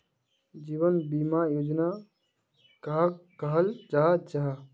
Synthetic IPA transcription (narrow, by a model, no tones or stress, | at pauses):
d͡ʒiːʋənbimajoːd͡ʒna | kaɦkəɦəlt͡ʃaɦt͡ʃaɦ